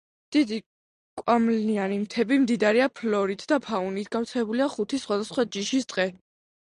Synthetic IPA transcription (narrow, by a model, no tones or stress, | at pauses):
d̪̥id̪i | kʼwamlianimt̪ʰɛbimd̪id̪aɾiapʰlɔɾit̪ʰd̪apʰaunit̪ʰɡaft̪sʰɛbuliaχut̪ʰisχwad̪asχwad͡ʒiʃist̪ʼqʼɛ